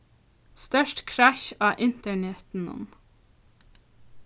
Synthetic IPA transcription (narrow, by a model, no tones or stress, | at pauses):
st̪œʃʈkʰɹæʃɑːʔɪnt̪əɳɛt̪n̩ʊ̰m